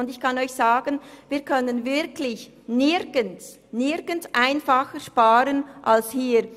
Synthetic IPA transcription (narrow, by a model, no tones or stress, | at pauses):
ʊndɪçkʰɑnɔʏçsaːɡənviːɐkʰœnənvɪɾkʰlɪç | nɪɾɡ̥əns | nɪɾɡ̥ənsʔaɪnfaxəʃpaːɾənʔalshiːɾ